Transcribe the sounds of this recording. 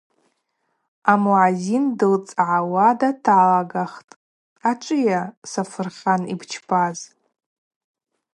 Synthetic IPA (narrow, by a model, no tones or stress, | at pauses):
amuʕazindɨlt͡sʼʕawadatʰaalaɡaχtʼ | aʈ͡ʂʷʼɨjasafɨrχʲanḭbt͡ʃʰpʰaz